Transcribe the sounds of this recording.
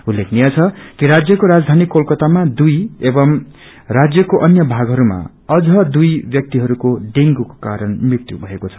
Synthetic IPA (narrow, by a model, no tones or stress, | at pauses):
ulːekʰnijat͡sʰʌkiɾad͡zjʌkoɾad͡zd̪ʱanikːolkʌt̪amad̪ujebʌm | rad͡zjʌkoʔʌnjʌbʱaɡʱɦʌɾuma̰ | ʌd͡zʌd̪ujbjʌk̚t̪iɦʌɾukoɖiŋɡuko̥kaɾʌnmikt̪ubʱʌekot͡sʰʌ̥